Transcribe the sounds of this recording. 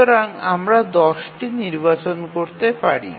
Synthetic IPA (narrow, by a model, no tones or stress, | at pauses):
oɾaŋamɾad̪ɔsʈiniɾbat͡ɕonkoɾt̪epaɽḭ